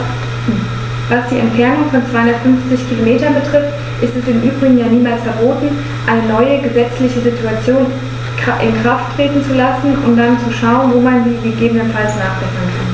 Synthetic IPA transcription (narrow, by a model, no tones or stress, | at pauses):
vasd̥iːɛmtfɛɐnʊŋfɔnt͡sv̥aɪhʊndɐtfʏnft͡sɪçkʰilomeːtɐnbətʁ̥ɪft | ʔɪstɛsɪnʔyːbʁɪɡŋ̩jaːniːmaːlsfɛɐboːtn̩ | ʔaɪnənɔʏəɡəzɛt͡slɪçəzɪtuat͡sjoːn | ʔɪ̰nkʁ̥afttʁ̥eːtn̩t͡sulasn̩ʊmd̥ant͡suʃaʊənvoːmandiːɡəɡeːbənənfalsnaːχv̥ɛsnkʰan